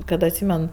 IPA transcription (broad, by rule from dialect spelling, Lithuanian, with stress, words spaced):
kɐt ɐtʲˈsʲiːmʲɛn